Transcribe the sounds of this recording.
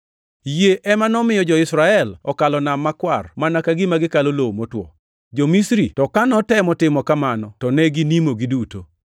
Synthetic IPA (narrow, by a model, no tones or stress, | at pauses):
jeʔɛmanɔmɪjɔd͡ʒɔɪsɾaɛlɔkalɔnamːakwarmanakaɡɪmaɡɪkalolomotwɔ̰ | d͡ʒɔmisɾitɔkanɔtɛmɔtɪmɔkamanɔtɔnɛɡinimoɡiduto